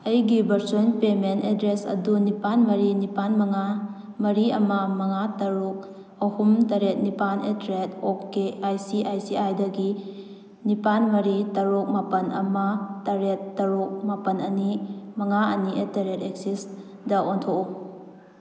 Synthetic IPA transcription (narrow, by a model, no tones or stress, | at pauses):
ɐjɡibɐɾsonpementedɾesɐ̰dunipanmɐɾinipanmɐŋa | mɐɾiɐmɐmɐŋatɐɾuk̚ | ɐhumtɐɾet̚nipanetɾetokeajsiʔajsiajdɐɡi | nipanmɐɾitɐɾuk̚mapɐnʔɐ̰mɐtaɾetːɐɾuk̚mapɐnɐnimɐŋaɐ̰nietaɾeteksis | dɐontʰoku